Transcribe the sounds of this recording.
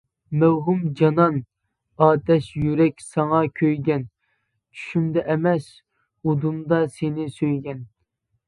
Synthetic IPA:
mæwɦumd͡ʒɑnɑn | ɑːt̪ʰɛʃjyɾɛkʲsɑŋɑkʲʰøjɡʲɛn | t͡ʃʰy̥ʃymd̪ɛʔɛmɛs | ud̪umd̪ɑsenɪsøjɡʲɛn

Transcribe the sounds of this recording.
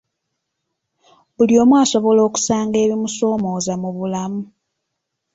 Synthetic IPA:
βuljo̞ːmwaːso̞βo̞lo̞ːku̥saːŋɡe̞ːβimuso̞ːmo̞ːzamuβulamu

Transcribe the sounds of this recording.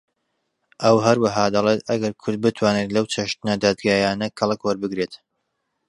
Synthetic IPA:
ʔɐwɦɐɾwaɦaːd̪ɐlˠet̪ɐɡɐɾkʰʊɾd̪̚bɨt̪ʰwaːnet̪lɐwt͡ʃʰɐʃt̪ɨnɐd̪aːd̪ɡaːjaːnɐkʰɐlˠɨkwɐɾbɨɡɾet̪

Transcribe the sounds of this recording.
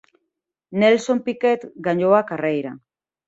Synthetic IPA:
ne̞lso̞mpike̞t̪ɡaɲoakarejɾa

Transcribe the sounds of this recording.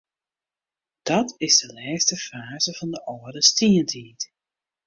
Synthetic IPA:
d̥ɑtɪzdəlɛːstəfaːzəv̥ɑndəʔɔrdəstiəntʰiːt

